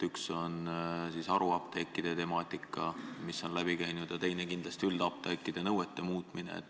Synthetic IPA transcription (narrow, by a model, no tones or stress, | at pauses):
t̪ykso̞nsisɑɾuɑpt̪ekːid̪̥e̞t̪e̞mɑːt̪ːˑikːˑɑmisːo̞nlæb̥ikæjnud̪̥jɑt̪e̞jne̞kind̪lɑst̪iyld̪̥ɑp̚t̪ekːid̪̥e̞nɤwet̪ːe̞muːt̪ˑminḛḛt̪ː